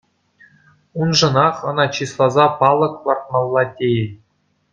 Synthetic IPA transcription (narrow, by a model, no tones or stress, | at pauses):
unʐɤ̆nɑχɤ̆nɑt͡ɕislˠɑzɑpɑlˠɤ̆klˠɑrt̪̚mɑlˠːɑtʲejɘ